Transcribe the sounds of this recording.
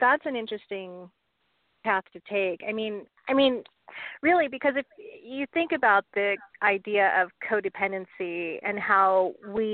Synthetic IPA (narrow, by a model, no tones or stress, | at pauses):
ðætsɨ̃nɪ̃nt͡ʃɹ̥ɨstɪ̃ŋ | pʰæθtʰɨtʰeɪkaɪmĩn | a̰ɪmĩn | ɹɪlˠibɨkʰʌzɨfjɨθɪ̃ŋkɨbaʊt̪̚ðiʔaɪdiɨʔʌv̥kʰoʊɾɨpʰɛ̃ndɨ̃nsiɨ̰̃nhaʊwi